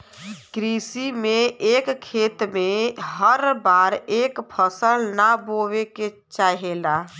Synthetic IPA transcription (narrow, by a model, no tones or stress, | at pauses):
kɾisimeekkʰːet̪meɦəɾbaɾekpʰəsəlnaboʋeke | t͡ʃaɦela